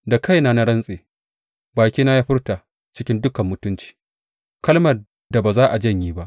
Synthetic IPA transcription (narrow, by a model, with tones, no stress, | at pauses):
da˨ka˦˨jna˦na˦ɽɐ˦nsʼeː˨ | baː˨kʲiː˦na˦jaː˦ɸɪ˦rtaː˨ | t͡ʃɪ˦kʲɪ˦ndʊ˦kɐ˨mːʊ˦tʊ˦nt͡ʃi̥ː˨ | kɐ˦lmɐ˨ | da˨baː˨zaː˦ʔa˨d͡ʒɐ˦ɲjiː˦ba˦ʔ